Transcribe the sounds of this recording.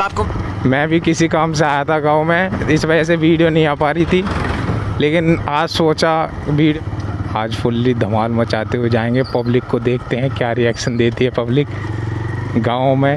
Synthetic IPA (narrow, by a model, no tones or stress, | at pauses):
mɛ̃ːbʱikɪsikaːms̬eaːjat̪ʰaɡãːomẽɪsʋɐd͡ʒɛs̬eʋiːɖijonɐɦĩaːpaːɾit̪ʰi | leːkɪnaːd͡ʒsoːt͡ʃa | ʋiːɖaːd͡ʒpʰʊlːid̪ʱɐmaːlmɐt͡ʃaːt̪eɦed͡ʒaːẽːŋɡepɐblɪkːod̪eːkʰt̪eɦɛ̃kjaːɾɪɛːkʃənd̪eːt̪iɦɛpɐblɪk | ɡãːõmẽ